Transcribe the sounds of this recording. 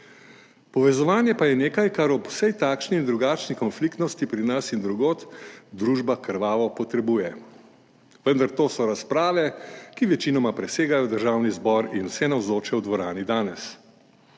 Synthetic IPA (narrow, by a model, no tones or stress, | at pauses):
pɔʋɛzɔʋaːnjɛpajɛneːkajkaɾɔpw̥sɛjt̪aːkʃniːnd̪ɾuɡaːt͡ʃnikɔnflikt̪nɔst̪ipɾinasind̪ɾuɡoːt̪d̪ɾuːʒbakəɾʋaːʋɔpɔt̪ɾɛbuːjɛ | ʋənd̪aɾt̪oːsɔɾaspɾaːʋɛkiʋɛt͡ʃinɔmapɾɛseːɡajɔd̪əɾʒaːwnizbɔɾinwsɛnawzoːt͡ʃɛwd̪ʋɔɾaːnid̪aːnɛs